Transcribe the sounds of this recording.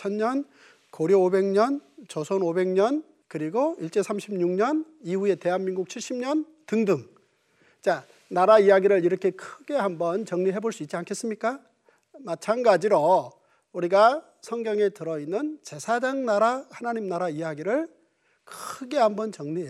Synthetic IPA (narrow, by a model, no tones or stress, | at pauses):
t͡ɕʰʌnɲʌn | koɾjoobe̞ŋɲʌnt͡ɕʌsʰonobe̞ŋɲʌn | kɯɾiɡoiɭt͡ɕ͈e̞sʰamɕʰibmɲuŋɲʌn | ihue̞te̞ɦanminɡuk̚t͡ɕʰiɭɕ͈ʰimɲʌn | tɯŋdɯŋ | t͡ɕa | naɾaijaɡiɾɯɭiɾʌkʰe̞kʰɯɡe̞hambʌnt͡ɕʌŋɲiɦe̞boɭs͈uit̚t͡ɕ͈iankʰe̞s͈ɯmɲik͈a | mat͡ɕʰanɡad͡ʑiɾo | uɾiɡa | sʰʌŋɡjʌŋe̞tɯɾʌinːɯnt͡ɕe̞sʰad͡ʑaŋnaɾahanaɲimnaɾaijaɡiɾɯɭ | kʰɯɡe̞hambʌnt͡ɕʌŋɲie